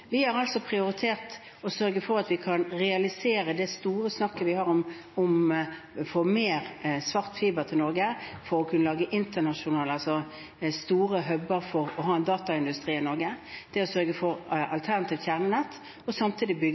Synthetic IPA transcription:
ʋɪhɑʁɑlsɔpʰʁɪʊɾɪt̪ʰeːʁt̪ | ɔsœɾɡəfɔɾɑt̪ʋɪkʰɑnʁɛɑlɪseːɾəd̪ɛst̪uːɾəsnɑkːəʋɪhɑːʁɔm | ɔm | foːmeːʁsʋɑʁt̪fiːbəʁt̪ʰɪlnɔɾɡəfɔɾɔkʰʉnːəlɑːɡəʔɪnt̪ənɑʂʊnɑːlɑlsɔ | st̪uːɾəɦœbəɾfɔʁɔɦɑːɛnd̪ɑːt̪ɑɪnd̪ʉst̪ʁiːɪnɔɾɡəd̪̥ɛɔsœɾɡəfɔɾʔɑ̰lt̪ʰæʁnɑt̪iːʋ̪ʰjæʁnənɛt̪ː | ɔsɑmt̪ʰiːd̪ɪbʏɡ

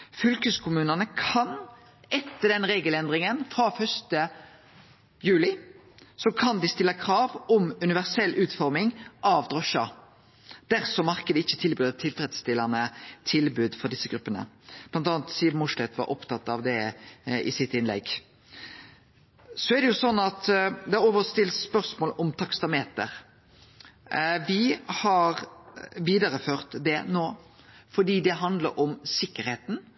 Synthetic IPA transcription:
fʏlkəskʰʊmʉːnənəkʰɑn | ɛt̪ːəd̪ɛnʁeːɡəlɛnd̪ɾɪŋənfɾɑfœst̪ə | jʉːlɪ | sɔkʰɑnd̪ɪst̪ɪlːəkʰɾɑːʋɔmʉnɪʋæʁsɛlʔʉːt̪fɔɾmɪŋʔɑʋd̪ɾɔʃɑ | d̪̥æɾsɔmɑʁkəd̪əɪçːət̪ʰɪlbʉːd̪ət̪ʰɪlt̪ɾɛd̪st̪ɪlːɑnət̪ʰɪlbʉd̪fɔɾd̪ɪsːəɡɾʉpːənə̰b̥lɑnt̪ɑːnt̪siːd̪n̩mʊʂlɛt̪ʋɑ̰ɾʔɔpt̪ʰɑt̪ːɑʋd̪ɛʔɪ̰sɪt̪ɪnlɛ̰ɡ | sɔæɾd̪ɛjʊsɔnːɑt̪d̪ɛɑɾɔːʋəɾst̪ɪlspœʁsmoːlɔmt̪ʰɑkst̪ɑmeːt̪əɾ | ʋɪhɑɾʋiːd̪ɑɾəføːɾt̪d̪ɛnoː | fɔɖiːd̪ɛɦɑnd̪lə̰ɾʔɔmsɪkːəɾheːt̪n̩

